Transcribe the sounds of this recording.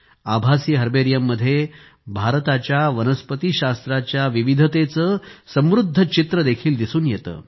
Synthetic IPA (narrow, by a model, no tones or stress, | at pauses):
abʱasiːɦəɾbeɾijəmːəd̪ʱːje | bʱaɾt̪at͡ɕjaʋənəspət̪iɕast̪ɾat͡ɕjaʋiʋid̪ʱət̪et͡səːsə̃mʋɾud̪ʱːət͡ɕit̪ɾəd̪ekʰiːld̪isuːnjet̪ə̰ː